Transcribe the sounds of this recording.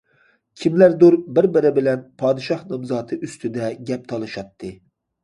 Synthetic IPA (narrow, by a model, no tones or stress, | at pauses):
kʲʰimlæɾd̪uɾbɪɾbɪɾɪbɪlɛnpʰɑːd̪ɨʃɑhnɨmzɑːt̪ʰɨʔyst̪ʰyd̪ɛɡʲɛp̚t̪ʰɑlˠɨʃɑt̪ʰːɨ